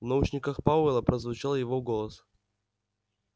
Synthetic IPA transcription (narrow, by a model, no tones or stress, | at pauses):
vnɐut͡ɕnʲɪkəxpaʊɛlˠəpɾəzvʊt͡ɕalˠjɪvoɡolˠəs